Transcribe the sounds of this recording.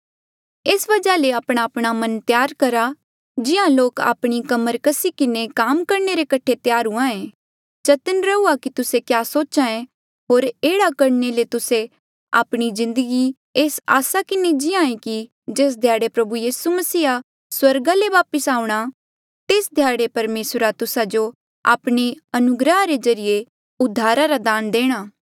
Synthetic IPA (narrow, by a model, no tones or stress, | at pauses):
eːsʋɐd͡ʒaleaːpɽ̃aːpɽ̃amɐ̃nt̪jaːɾkɐɾa | d͡ʒɪãloːka̰ːpɽ̃ikɐməɾkɐsikɪnekaːmkɐɾneɾekɐʈʰet̪jaːɾuãẽː | t͡ʃɐt̪ənɾɐuakit̪ʊsekjaːsoːt͡ʃãẽ | ɦoːɾeːɽakɐɾnelet̪ʊse | a̰ːpɽ̃izɪ̃nd̪əɡi | eːsa̰ːsakɪned͡ʒɪãːẽki | d͡ʒeːs̬d̪ʱjaːɽepɾɐbujiːsumɐsiːa | swɐɾɡaleʋaːpəsaːũɽ̃a | t̪eːsd̪ʱjaːɽepɐɾmeːsɾat̪ʊsad͡ʒo | a̰ːpɽ̃iɐnʊɡɾəɦaɾezɐɾije | ʊd̪ʱːaːɾaɾad̪aːnd̪eːɽ̃aː